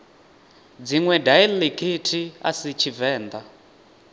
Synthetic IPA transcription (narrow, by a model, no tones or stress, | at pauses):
d͡ziŋwɛdailikʰitʰia̰sit͡ʃʰivɛːnd̪a